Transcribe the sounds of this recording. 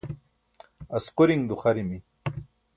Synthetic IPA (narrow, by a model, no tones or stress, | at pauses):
ɐsquɾiŋd̪uχaɾimi